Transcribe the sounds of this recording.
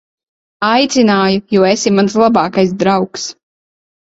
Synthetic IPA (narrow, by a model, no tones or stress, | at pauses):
ajt̪sʲinaːjujuɔesimans̬lˠabaːkajsd̪ɾawks